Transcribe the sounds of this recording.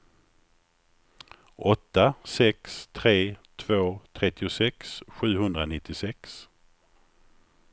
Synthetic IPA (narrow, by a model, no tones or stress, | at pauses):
ʔɔt̪ːasɛkst̪ʰɾeːt̪ʰvoːt̪ʰɾɛt̪ːɪʊsɛksɧʉ̟ːɦɵnd̪ɾanɪt̪ːɪsɛks